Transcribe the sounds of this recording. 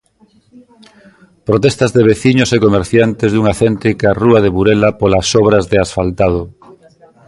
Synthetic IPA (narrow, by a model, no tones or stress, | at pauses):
pɾot̪est̪azðeβ̞eθiɲosekomeɾθjant̪ezðuŋaθent̪ɾikaruaðeβuɾelapolasɔβ̞ɾazðeasfalt̪að̞o